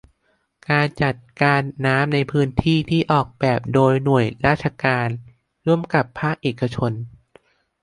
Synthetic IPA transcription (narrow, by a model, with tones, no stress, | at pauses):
kaː˧nt͡ɕa˨˩t̪̚kaː˧nːaː˦˥mna˧jpʰɯː˦˥nt̪ʰiː˥˩t̪ʰiː˥˩ʔɔː˨˩k̚bɛː˨˩p̚doː˧jnu˨˩əjɾaː˥˩t̪̚t͡ɕʰa˧kaː˧n | ɾu˥˩əmka˨˩pʰːaː˥˩k̚ʔeː˨˩kːa˧t͡ɕʰo˧n